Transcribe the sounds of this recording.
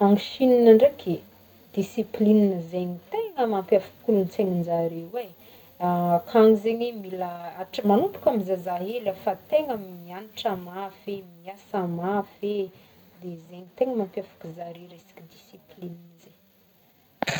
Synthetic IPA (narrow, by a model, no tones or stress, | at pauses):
maŋʃininəɳɖ͡ʐeke | d̪̥isiplininəzeɲit̪eŋəmampjafu̥kulunt͡seŋind͡ʒaɾewe | akʰaŋizeɲemilaaʈ͡ʂəmanupu̥kamizazaɦelafat̪eŋəmianiʈ͡ʂamafemiasamafe | d̪ezeɲit̪eŋəmampjafḁkuzaɾeɾesi̥kid̪isiplininze